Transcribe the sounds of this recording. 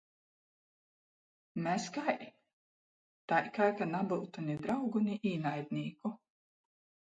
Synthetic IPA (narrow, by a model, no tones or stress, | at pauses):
mæskaj | t̪ajkajkanabɨlˠt̪unʲid̪ɾawɡuniʔiːnajd̪nʲiːku